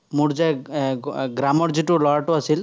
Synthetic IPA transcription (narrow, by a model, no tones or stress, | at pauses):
muɽd͡ʒaj | ɡɾamɔɾd͡ʒiʈulɔɾʈuasil